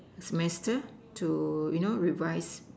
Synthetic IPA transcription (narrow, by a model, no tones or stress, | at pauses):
səmɛstə | tʰujunoɹivaɪs